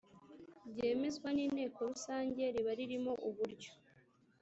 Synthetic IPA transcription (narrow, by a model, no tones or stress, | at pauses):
bɟe̞ːme̞zɡwaniːne̞ːko̞ɾusaːɲɟe̞ɾiβaɾiɾimo̞ʔuβuɾɟo̥